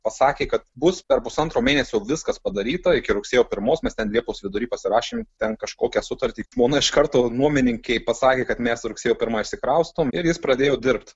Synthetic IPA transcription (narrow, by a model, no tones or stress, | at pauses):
pɐsɑːkʲeːkɐt̪bʊspʲɛrpʊsɐnt̪ɾoːmʲeːnʲɛsʲojɛʊʋʲɪskɐspɐd̪ɐɾʲiːt̪ɐɪkʲɪɾʊksʲeːjoːpʲɪɾmoːsmʲɛst̪ʲɛnlʲiɛposʋʲɪd̪ʊɾʲiːpɐsʲɪɾɑːʃʲeːmt̪ʲɛnkɐʃkoːkʲɛsʊt̪ɐɾʲt̪ʲiːʒmoːnɐɪʃkɐɾt̪oːnuɔmʲɪnʲɪŋʲkʲɛɪpɐsɑːkʲeːkɐt̪mʲɛsɾʊksʲeːjoːpʲɪɾmɐɪʃʲsʲɪkɾɐʊst̪oːmɪɾjɪspɾɐd̪ʲeːjoːd̪ʲɪrpt̪